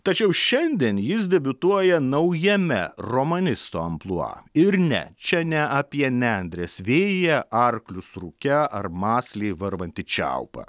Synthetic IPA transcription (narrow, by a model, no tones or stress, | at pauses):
t̪ɐt͡ʃʲɛʊʃʲɛnʲd̪ʲiɛnjɪs̬d̪ʲɛbʲʊt̪uɔjɛnɐʊjɛmʲɛɾomɐnʲɪst̪oːɐmplˠuɐ̰ɪɾnʲɛ̰t͡ʃʲɛnʲɛʔɐpʲiɛnʲɛnʲd̪ʲɾʲeːsʋʲeːjjɛɐɾklʲʊsɾukʲɛʔɐɾmɑːsʲlʲeɪʋɐɾʋɐnʲt̪ʲɪt͡ʃʲæ̰ʊpɑ̰